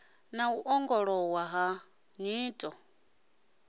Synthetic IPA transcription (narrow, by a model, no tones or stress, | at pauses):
nauʔɔŋɡɔɺɔwaɦa | ɲiːtʼɔ